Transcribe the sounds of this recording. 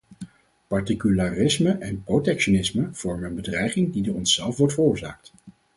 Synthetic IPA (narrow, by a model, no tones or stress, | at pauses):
pɑɹtikylaːrɪsməʔɛnprotɛkʃonɪsməv̥ɔɹməənbədrɛjχɪŋdidoːɹɔnsɛlˠfʋɔɹtfərʊːɹza̰ːk̚t